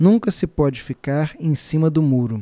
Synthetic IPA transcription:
nũŋkɐsɪpɔd͡ʒɪfikaɾẽj̃sĩmɐd̪ʊmuɾʊ

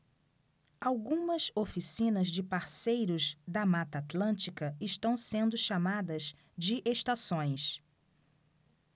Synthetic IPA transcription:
awɡũmɐzofisĩnɐzd͡ʒɪpaɾsejɾʊzd̪ɐmat̪ɐat̪lɐ̃nt͡ʃikɐɪʃt̪ɐ̃w̃sẽnd̪ʊʃamad̪ɐz | d͡ʒɪʔeʃt̪asõj̃s

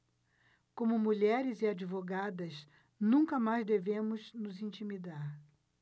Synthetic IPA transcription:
kõmʊmuʎɛɾɪzɪad͡ʒivoɡad̪ɐs | nũkɐmajzd̪evẽmʊznʊzĩnt͡ʃimid̪aɾ

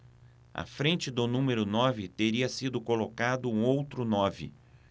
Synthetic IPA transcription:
ɐ̰fɾẽnt͡ʃɪd̪ʊnũmeɾʊnɔvɪt̪eɾiɐsid̪ʊkolokad̪ʊũowt̪ɾʊnɔvɪ̰

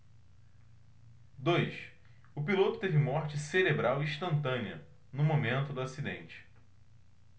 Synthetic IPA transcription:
d̪ojʃ | ʊpilot̪ʊt̪evɪmɔɾt͡ʃɪseɾebɾawiiʃt̪ɐ̃nt̪ɐ̃niɐ̰ | nʊmomẽnt̪ʊd̪ʊasid̪ḛ̃nt͡ʃɪ̥

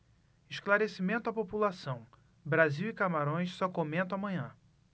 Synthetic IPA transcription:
ɪʃklaɾesimẽnt̪ʊapopulasɐ̃w̃ | bɾaziwɪkamaɾõj̃ʃsɔkomẽnt̪ʊ̃amɐ̃ɲɐ̃

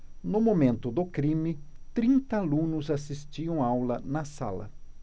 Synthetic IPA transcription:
nʊmomẽnt̪ʊd̪ʊkɾĩmɪt̪ɾĩnt̪ɐalũnʊzasist͡ʃiɐ̃w̃awlɐnɐsa̰lɐ̰

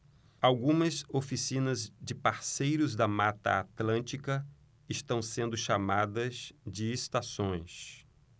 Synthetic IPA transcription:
awɡũmɐzofisĩnɐzd͡ʒɪpaɾsejɾʊzd̪ɐmat̪ɐ̰at̪lɐ̃nt͡ʃikɐ | ɪst̪ɐ̃w̃sẽnd̪ʊʃamad̪ɐzd͡ʒɪest̪asõj̃s

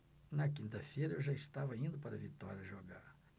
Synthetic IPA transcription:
nɐkĩnt̪ɐfejɾɐewʒaist̪avɐĩnd̪ʊpaɾɐvit̪ɔ̰ɾjɐʒoɡa̰ɾ

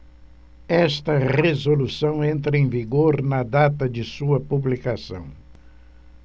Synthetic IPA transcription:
ɛst̪ɐʁezolusɐ̃w̃ẽnt̪ɾɐẽj̃viɡoɾnɐd̪at̪ɐd͡ʒɪsuɐpublikasɐ̰̃w̃

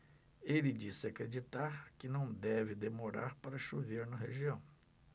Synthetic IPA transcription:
elɪd͡ʒisɪakɾed͡ʒit̪aɾkɪnɐ̃w̃d̪ɛvɪd̪emoɾa̰ɾpaɾɐʃuveɾnɐɦeʒiɐ̃w̃

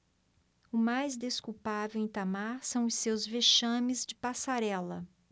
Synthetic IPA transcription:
ʊmajzd̪eskuwpavewẽt̪amaɾsɐ̃w̃ʊsewzveʃɐ̃mɪzd͡ʒɪpasaɾɛlɐ

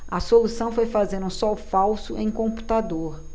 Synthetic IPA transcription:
ɐsolusɐ̃w̃fojfazẽɾũsɔwfawsʊʔẽj̃kõmpu̥t̪ad̪oɾ

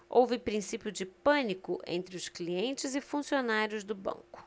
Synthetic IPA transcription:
o̰wvɪpɾĩsipjʊd͡ʒɪpɐ̃nikʊʔḛ̃nt̪ɾɪʊskliẽnt͡ʃɪzɪfũsionaɾjʊzd̪ʊbɐ̰̃ŋkʊ̥

